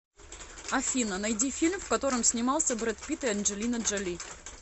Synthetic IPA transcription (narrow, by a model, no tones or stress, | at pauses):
ɐfʲinənɐjdʲifʲilʲmfkɐt̪o̞ɾɨmsʲnʲɪmalˠsʲəbɾɛt̪pʲit̪əɐnʐɨlʲinəʐɐlʲi